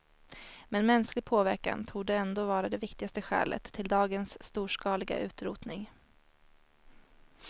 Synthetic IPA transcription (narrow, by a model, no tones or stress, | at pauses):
mɛnmɛnsklɪɡ̚pʰoːvæɾka̰nt̪ʰuːɖəɛnd̪oːvɑːɾad̪ɛvɪkt̪ɪɡast̪əɧɛ̰ːlʔə̰t̪ʰːɪld̪ɑːɡənsːt̪uːʂkɑːlɪɡa̰ʔʉ̟ːt̪ɾuːt̪nɪŋ